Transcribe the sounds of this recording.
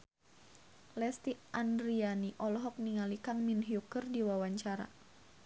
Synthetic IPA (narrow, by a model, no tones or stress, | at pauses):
lɛst̪iʔandɾianiʔɔlɔɦɔk̚niŋalikaŋminɦiukərdiwawaɲt͡ʃaɾa̰